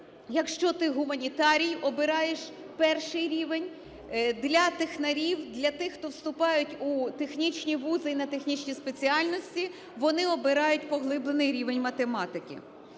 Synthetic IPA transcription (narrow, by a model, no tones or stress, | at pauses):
jɐkʃt͡ʃɔt̪ɪɦʊmɐnʲit̪ɑɾʲijɔbɪɾɑjeʃ | pɛrʃɪjɾʲiʋenʲ | d̪lʲɐt̪exnɐɾʲiwd̪lʲɐt̪ɪxːt̪ɔwst̪ʊpɑjʊtʲut̪e̞xnʲit͡ʃʲnʲiʋuzɪinɐt̪exnʲit͡ʃʲnʲispet͡sʲiɑlʲnɔsʲtʲi | ʋɔnɪɔbɪɾɑjʊtʲpɔɦlˠɪblˠenɪjɾʲiʋenʲmɐt̪emɑt̪ɪkʲḭ